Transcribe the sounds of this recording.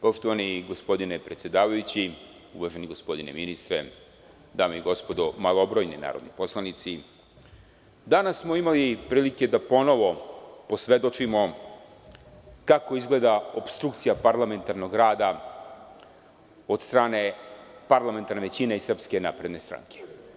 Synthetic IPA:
po̞ʃt̪oʋaniɡo̞spo̞d̪inepɾe̞t̪sʲje̞d̪aːʋajut͡ɕi | uʋaʒe̞niɡo̞spo̞d̪inḛminist̪ɾe | d̪aːmoiɡo̞spo̞d̪omalˠobɾojnina̰ːɾod̪nipo̞slˠanit̪si | d̪anasːmo̞imalipɾiːlike̞d̪apo̞no̞ʋo̞po̞sʋe̞d̪o̞t͡ʃimo̞ | kako̞izɡle̞ːd̪aopst̪ɾukt̪sijapaɾlˠame̞nt̪aɾno̞ɡɾaːd̪a | o̞d̪st̪ɾaːne̞paɾlˠame̞nt̪aɾneʋe̞t͡ɕineisr̩pske̞napɾe̞d̪ne̞st̪ɾa̰ŋkʰe̥

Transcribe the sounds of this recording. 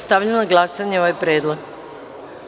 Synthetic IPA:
st̪aʋʎenaɡlˠasaɲeoʋajpɾeːd̪lˠoɡ

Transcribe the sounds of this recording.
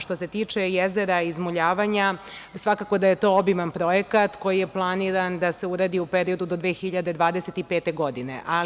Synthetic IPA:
ʃt̪o̞se̞t̪iːt͡ʂejezeɾaizmoʎaːʋaɲasʋakako̞d̪ajet̪o̞ːobimanpɾo̞jekat̪ko̞jije̞plˠaniɾand̪ase̞uɾad̪iupe̞ɾio̞d̪ud̪o̞d̪ʋeːxiʎad̪e̞d̪ʋaːd̪e̞se̞t̪ipeːt̪e̞ɡo̞d̪ine̞̰ʔa

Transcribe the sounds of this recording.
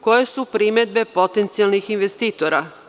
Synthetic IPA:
ko̞jesupɾime̞d̪̚bepo̞t̪ent̪sijalnixinʋest̪iːt̪oɾa

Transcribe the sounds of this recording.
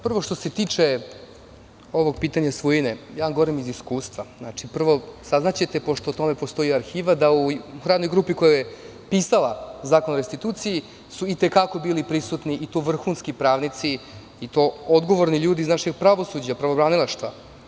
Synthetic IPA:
pr̩ʋo̞ʂt̪o̞set̪iːt͡ʂe | o̞ʋo̞ɡ̚piːt̪aɲasʋujinejaɡoɾimiziskuːst̪ʋaznaːt͡ʂipr̩ʋo̞saznat͡ɕet̪epo̞ʂt̪ot̪o̞mepo̞st̪o̞iaɾxiːʋad̪auxɾaːd̪nojɡɾuːpiko̞joje | pisalazaːko̞nɾest̪it̪uːt̪siji | suit̪ekako̞biːlipɾisut̪niʔit̪oʋr̩xunskipɾaːʋnit̪si | it̪o̞od̪ɡoʋo̞ɾniʎuːd̪iːznaʃeɡ̚pɾaʋo̞sud͡ʑapɾaʋobɾaːnilˠaʃt̪va

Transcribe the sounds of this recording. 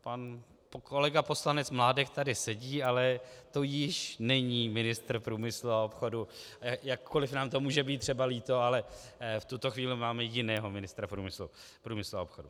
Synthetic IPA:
pan | pkʰo̞lɛɡapo̞slanɛt͡smlaːdɛkt̪adɪsɛɟiːalɛt̪o̞jɪʃnɛɲiːmɪnɪst̪r̩pɾuːmɪsluaopxo̞du | ajakːo̞lɪfnaːmt̪o̞muːʒɛbiːt̪̚ːr̝̥ɛbaliːt̪o̞alɛft̪ut̪o̞xviːlɪmaːmɛjɪnɛːɦo̞mɪnɪst̪ɾapɾuːmɪslu | pɾuːmɪsluaopxodu

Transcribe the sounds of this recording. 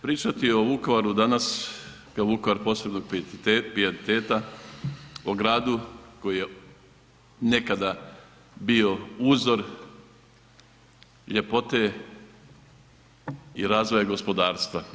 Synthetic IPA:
pɾiːt͡ʃat̪io̞ʋuko̞ʋaɾud̪anas | kaoʋukoʋaɾpo̞ːse̞bno̞ɡ̚p̪pɾianit̪eːt̪a | oɡɾaːd̪uko̞jije̞ | ne̞kad̪a | bio̞uːzo̞ɾ | ʎe̞po̞t̪e̞ | iɾaːzʋo̞jaɡo̞spod̪aːɾst̪ʋa

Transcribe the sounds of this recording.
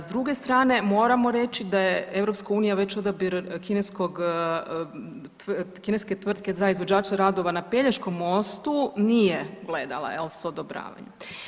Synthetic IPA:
zd̪ɾuɡe̞st̪ɾaːne̞mo̞ːɾamo̞ɾe̞t͡ʃid̪ajeevɾo̞pskauːnijaʋe̞t͡ɕo̞d̪abiɾkine̞sko̞ɡ | kine̞ske̞t̪ʋr̩d̪ke̞zaizʋod͡ʑaːt͡ʃaɾad̪o̞ʋanape̞ʎaʃko̞mːo̞st̪unijeɡle̞d̪a̰lˠa̰elˠsod̪obɾa̰ːʋa̰ɲe

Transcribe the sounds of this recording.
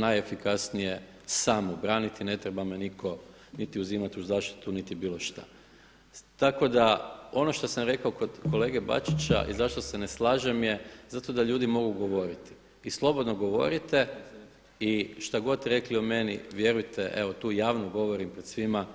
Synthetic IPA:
najefikasnije | saːmobɾaːnit̪ine̞t̪ɾebamenikʰo̞ | nit̪iuziːmat̪uzaːʃt̪i̥t̪unit̪ibiːlˠoʃt̪a̰ | t̪ako̞d̪ao̞no̞ʃt̪osamɾe̞kaoko̞d̪ko̞le̞ːɡe̞ba̰t͡ʃit͡ɕa̰ʔḭzaʃt̪o̞seneslˠaːʒemjezat̪o̞d̪aʎuːd̪imo̞ɡuɡo̞ʋo̞ɾit̪i̥ | islˠo̞bo̞d̪noɡo̞ʋo̞̰ɾit̪e̞ | iʃt̪aɡo̞t̪ɾe̞kliome̞nḭʋje̞ɾujt̪ʰeʔeʋo̞t̪uːjaːʋnoɡo̞ʋoɾimpɾed̪sʋima

